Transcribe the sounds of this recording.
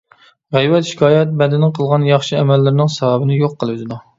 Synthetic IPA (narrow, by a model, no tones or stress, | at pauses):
ʁæjwɛt̪ʃi̥kʲʰɑːjɛt̪̚bɛd̪ɪnɪqʰəlˠʁɑnjɑχʃiɛmɛlːɪɾɪnɪŋsɑvɑbɨnɪjoqːəlˠɨzɪd̪u